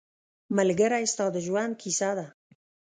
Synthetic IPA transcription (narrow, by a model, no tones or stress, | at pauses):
məlɡəɾaest̪awd̪əʒuankʰisaða